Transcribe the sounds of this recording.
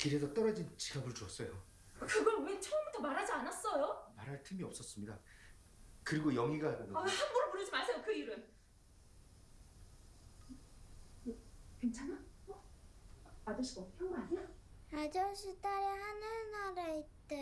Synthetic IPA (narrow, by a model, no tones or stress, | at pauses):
kiɾesʰʌt͈ʌɾʌd͡ʑint͡ɕiɡabɯɭt͡ɕuʌs͈ʌjo | kɯɡʌwet͡ɕʰʌʌmbutʰʌmaɾɦad͡ʑianas͈ʌjomaɾɦaɭtʰɯmiʌp̚s͈ʌs͈ɯmɲida | kɯɾiɡojʌŋiɡaahanɡuɾɯɭpoɾɯd͡ʑimasʰejokɯiɾɯn | kwent͡ɕʰanaʌ | ad͡ʑʌɕʰiɡopʰjʌŋɡʌaɲiaad͡ʑʌɕʰit͈aɾjeɦanɯnaɾaitt͈e